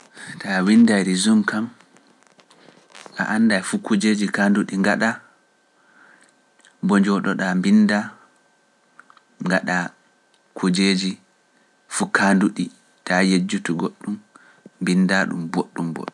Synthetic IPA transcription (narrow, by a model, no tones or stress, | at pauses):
tʰawindajɾizumkam | ʔa̰ʔandafukud͡ʒed͡ʒikanduɗiŋɡaɗa | bɔd͡ʒɔɗɔɗambinda | ŋɡaɗa | kʰud͡ʒeːd͡ʒi | fukʰanduɗi | tajed͡ʒːutuɡoɗːum | mbindaɗṵmboɗːumbɔ̰ɗːu